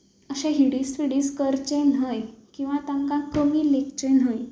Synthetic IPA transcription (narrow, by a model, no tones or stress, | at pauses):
əɕɛ̃ɦiɽisfiɽiːskəɾt͡ɕenɦəjkĩw̃ʋat̪ãŋkãkəmiːlekt͡ɕenɦəj